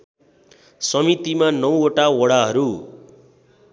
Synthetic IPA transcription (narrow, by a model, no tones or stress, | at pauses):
sʌmit̪imanʌw̃oʈaoɽaɦʌɾu